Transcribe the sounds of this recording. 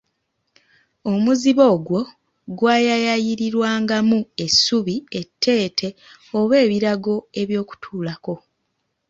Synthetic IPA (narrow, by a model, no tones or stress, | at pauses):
o̞muziβo̞ːɡwo̞ | ɡwaːjajajiɾiɾwaːŋɡamue̞suβie̞tʰːe̞ːtʰe̞ | o̞βe̞ːβiɾaɡo̞e̞βjo̞ːku̥tʰuːlako̞